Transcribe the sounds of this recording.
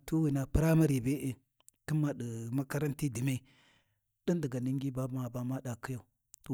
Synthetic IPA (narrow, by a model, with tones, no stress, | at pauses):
tu˦wi˨na˨pɨ˦ɾa˦ma˦ɾi˨be˦ʔe˨ | ki˦mːa˨ɗə˨ma˦ka˦ɾa˦nti˦di˨me˦˨ | ɗi˦ndi˨ɡa˨ni˦ŋɡi˦ba˦ma˨ba˨ma˦ɗa˨ki˦ja˨u˨ | to˨